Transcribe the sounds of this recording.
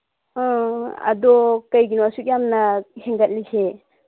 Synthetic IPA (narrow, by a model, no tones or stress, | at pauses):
a̰dɔkajɡinɔwasuk̚jamnaheŋɡat̚likʰe